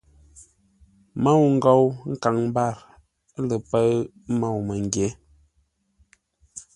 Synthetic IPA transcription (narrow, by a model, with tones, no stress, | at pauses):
ma˦˨wŋ̩˦ɡɔ˦˨wŋ̩˦ka˨ŋm˦ba˦˨ɾ | lə˨pə˦ɰ | ma˦˨wmə˨ŋ˨ɡje˨˦